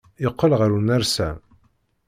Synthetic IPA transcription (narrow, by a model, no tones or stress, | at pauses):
jəqːəlʁəɾunæɾsæ̰